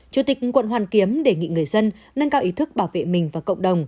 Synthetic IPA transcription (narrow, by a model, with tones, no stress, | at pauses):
t͡ɕu˨˩t̪ï˨˩k̚kwə̰˧˨nwaː˨˩nki˨˦əmɗe˧˩ŋḭ˧˨ŋɨ˨˩əjzə˧n | ŋə˧nkaː˧wʔi˨˦t̪ʰɨ˦˥k̚ɓaː˧˩wvḛ˧˨mï˨˩ŋ̟vaː˨˩kə̰˧˨wŋ͡mɗə˨˩wŋ͡m